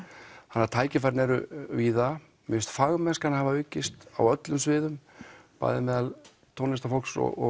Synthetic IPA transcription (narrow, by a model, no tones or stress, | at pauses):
hanːaɾt̪ʰaːjcɪfajɾnɛɾʏviːða | mɪst̪faɣmɛskanhavaœːcɪst̪awœt̪lʏmsvɪːðʏmpa̰ːjðɪmɛːðal | t̪ʰownɪst̪afɔlksɔ̰ɔ̰